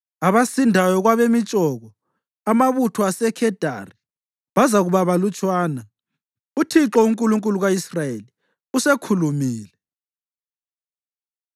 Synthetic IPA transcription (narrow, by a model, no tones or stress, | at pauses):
aβasindʱajɔɣwaβemit͡ʃʼɔɣɔ | amaβutʰuasɛkʰɛd̥ʱa̰ri | βazaɣuβaβalut͡ʃʼwaːna | utʰiǁɔuŋkʼuluŋkʼuluɣaisrajeli | usekʰulumiːlɛ